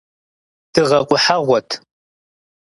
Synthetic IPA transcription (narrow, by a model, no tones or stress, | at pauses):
d̥ɨʁɐqʷʼʊħaʁʷɔtʰ